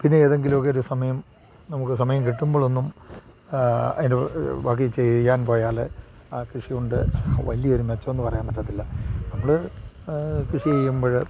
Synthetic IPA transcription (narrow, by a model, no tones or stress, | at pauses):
pinːeeːðe̞ŋɡilumokːeoɾusɐmɐjɐm | nɐmukːɨsɐmɐjɐmkiʈːumbo̞ːɭo̞nːum | ɐ̰ðindeʋaːk̬ːit͡ɕejːaːnpo̞ːjaːle | aːkriʂijuɳɖɨ̰ʋɐlijɐoɾumet͡ɕːɐmenːɨpɐrɐjaːnbɐt̪ːɐt̪ːilːɐnɐmːɐɭɨ | kiʂiejːumboːɻe